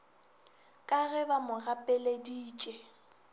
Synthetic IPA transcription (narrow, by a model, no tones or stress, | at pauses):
kʼaɣɛbamʊɣapʼɛlediːt͡ʃʼɛ